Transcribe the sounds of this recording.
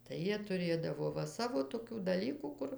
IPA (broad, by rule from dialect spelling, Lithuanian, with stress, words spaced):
tɐɪ ˈjiɛ tʊˈrʲeːdɐʋoː ˈʋɐ ˈsɑːʋoː toːˈkʲuː dɐˈlʲiːkuː ˈkʊr